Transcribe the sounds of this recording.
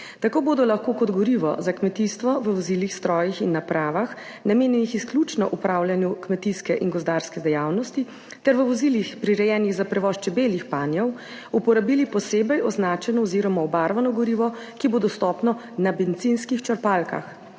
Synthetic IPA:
t̪akoːboːd̪ɔlaxkoːkɔd̪ɡɔɾiʋɔ̰zakmɛt̪ist̪ʋɔʋəʋɔzilixst̪ɾɔːjixinːapɾaːʋax | nameːnjɛnixisklʲut͡ʃnɔʔupɾawljanjukmɛt̪iskɛʔinɡɔzd̪aɾskɛd̪ɛjawnɔst̪i | t̪ɛɾʋəʋɔzilixpɾiɾɛjɛːniɣzapɾɛʋɔʃt͡ʃɛbeljixpaːnjɔw | upɔɾabilipɔseːbɛjɔznaːt͡ʃɛnɔɔziɾɔmaɔbaɾʋanɔɡɔɾiːʋɔ | kibod̪ɔst̪ɔːpnɔ | nabent̪sinskixt͡ʃɐɾpalka̰x

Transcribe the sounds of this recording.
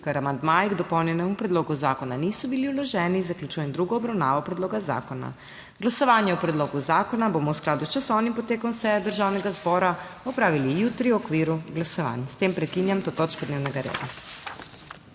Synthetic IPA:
kaɾamand̪maːjɡd̪ɔpɔwnjɛnɛmupɾɛd̪loːɡuzaːkɔnaniːsɔbiliwlɔʒɛːnizaklʲut͡ʃuːjɛnd̪ɾuɡɔːbɾawna̰ːʋɔpɾɛd̪loːɡaza̰ːkɔna̰ | ɡlasɔʋaːnjɛupɾɛd̪loːɡuzaːkɔnaboːmɔwsklaːd̪ut͡ʃasɔːnimpɔt̪eːkɔnsɛjɛd̪əɾʒaːwnɛɡazbɔːɾaɔpɾaːʋilijut̪ɾiwɔkʋiːɾuɡlasɔʋa̰ːnst̪eːmpɾɛkinjamt̪oːt̪oːt͡ʃkɔd̪neːwnɛɡaɾḛd̪a̰

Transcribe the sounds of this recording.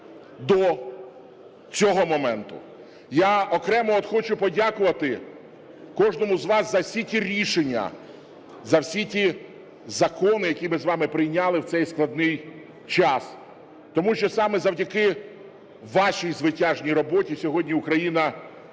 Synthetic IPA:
d̪ɔ | t͡sʲɔɦɔmɔmɛnt̪ʊ̰ | jaɔkɾɛmɔɔt̪xɔt͡ʃʊpɔdʲakʊʋɐt̪ɪ | kɔʒnɔmʊzʋɑszɐwsʲitʲiɾʲiʃenʲːɐ̰ | zɐwsʲitʲi | zɐkɔnɪjɐkʲimɪzʋɑmɪpɾɪjnʲalˠɪwt̪sɛjsklˠɐd̪nɪj | t͡ʃɑs | t̪ɔmuʃt͡ʃɔsɑmɛzɐwdʲɐkɪ | ʋɑʃijzʋɪtʲaʒnʲijɾɔbɔtʲisʲɔɦɔdʲnʲiʊkɾɐjinɐ

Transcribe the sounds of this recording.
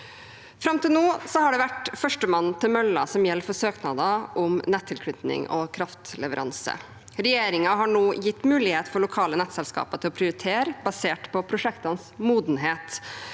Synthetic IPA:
fɾɑmt̪ɪlnoːsɔhɑɖɛʋæʈfœʂʈəmɑnːt̪ʰɪlmœlːɑ̰sɔmjɛlːfɔsøːknɑːd̪ɑʔʊmnɛt̪ʰːɪlkʰɽʏt̪nɪ̰ŋɔkʰɾɑft̪lɛ̰ʋəɾɑ̰nsə̰ | ɾɛjeːɾɪŋɑɦɑɳoːjɪt̪ːmʉːlɪheːt̪fɔɭʊkʰɑːlənɛt̪sɛlskɑ̰ːpɑt̪ʰɪlɔpʰɾɪʊɾɪt̪ʰeːɾbɑseːʈpʰɔpʰɾʊʂɛkt̪ɑnsmuːd̪n̩ɦeːt̪

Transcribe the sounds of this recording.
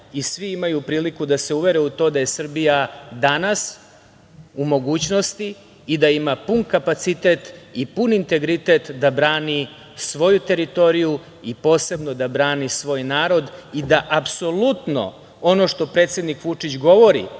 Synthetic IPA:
isʋiimajupɾiːlikud̪ase̞uʋe̞ɾeut̪o̞ːd̪aje̞sr̩bijad̪anas | umo̞ɡuːt͡ɕno̞st̪iː | d̪aimapunkapat̪sit̪e̞t̪ipunint̪e̞ɡɾit̪et̪d̪abɾaːni | sʋo̞jut̪e̞ɾit̪o̞ɾiju | ipo̞ːse̞bno̞d̪abɾaːnisʋo̞ːjnaːɾo̞d̪id̪aʔapso̞lˠut̪no̞̰ | o̞no̞ʂt̪o̞pɾe̞t̪sje̞d̪nikʋut͡ʂit͡ɕɡo̞ʋo̞ɾḭ

